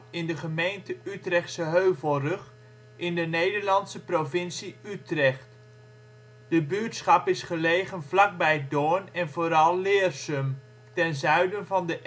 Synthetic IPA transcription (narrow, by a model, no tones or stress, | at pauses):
ɪndəχəmejntəytrɛχtsəɦøɥvəlˠrɵχ | ʔɪndənejdəɹlɑntsəprovɪnsiytrɛχt | d̥əbytsχɑpɪsχəlejχənvlɑk̚bɛjdoːnɛnvoːɾɑlˠːɪːrsəm | tɛnzœɥdənvɑndəʔ